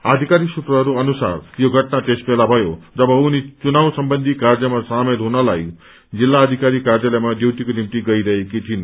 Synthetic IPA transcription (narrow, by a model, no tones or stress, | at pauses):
ad̪ʱikaɾisut̪rʌɦʌɾuʌnusa̰rjoɡʱʌʈnat̪esbelabʱʌjod͡zʌbʌunit͡sunawsʌmbʌnd̪ʱikard͡zʌmasamelɦunʌlaj | d͡zilːaːd̪ʱikaɾikard͡zʌlajmad̪jewʈ̪ikonimit̪iɡʌiɾʌɦekit̪ʰin